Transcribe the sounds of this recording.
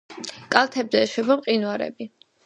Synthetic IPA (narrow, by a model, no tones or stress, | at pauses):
kʼalˠt̪ʰɛbzɛːʃwɛbamqʼinwaɾɛ̰bi